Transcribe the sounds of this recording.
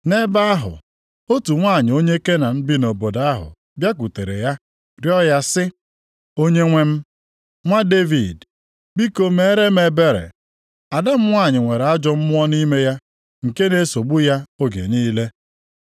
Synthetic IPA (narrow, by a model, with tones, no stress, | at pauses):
ne˦ba˦a˦ɦʊ̰˨ | o˦tu˨ŋʷa˦˨ɲɪ˨o˦ɲe˦ke˦na˨m̩˦bi˦no˨bo˨da˦ɦʊ̰˨ | bja˦k̬u˨te˨ɾḛ˨ja˦ | ɾjɔ˦ja˦sɪ˦ | o˦ɲe˦ŋʷe˦m̩˦ | ŋʷa˦de˦vi˨d | bi˦ko˦me˦ɾe˦me˨be˦ɾḛ˨ | a˨da˦m̩˦ŋʷ˦a˦˨ɲɪ˨ŋʷe˨ɾa˦d͡ʒɔ˦m̩˦mʊ˦ɔ˦ni˦me˦ja˦ | ŋ̩˨ke˦ne˨so˨ɡ͡bu˦ja˦o˦ɡḛ˨niː˦le˦